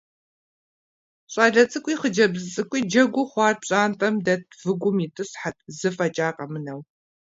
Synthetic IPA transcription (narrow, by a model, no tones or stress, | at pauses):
ɕʼaːɮɐt͡sʼɨkʷʼiːχəd͡ʒɐbzɨt͡sʼɨkʷʼiːd͡ʒɐɡʷʊχʷɑːrɕʼaːntʼɐmdɐt̚ʰvɨɡʷʊmiːtʰʼɨsħat̚ʰʼzɨfɐt͡ʃʼaːqʼɐmɨnɐw